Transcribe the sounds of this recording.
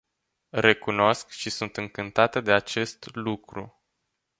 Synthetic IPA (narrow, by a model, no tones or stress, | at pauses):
re̞kuno̞skʃisunt̪ɨŋkɨnt̪at̪əd̪e̞at͡ʃe̞st̪lukɾṵ